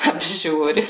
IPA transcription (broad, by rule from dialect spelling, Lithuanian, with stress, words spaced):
ɐbʲˈʒʲuːrʲɪ